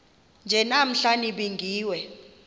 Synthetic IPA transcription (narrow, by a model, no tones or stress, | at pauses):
nd͡ʒʱɛnam̩ɬaniɓiŋɡʱiːwɛ